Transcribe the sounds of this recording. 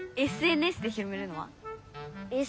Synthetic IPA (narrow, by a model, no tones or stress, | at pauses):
e̞sɨe̞nɯe̞sɨd̪eçiɾomeɾɯ̟no̞βa̰ | e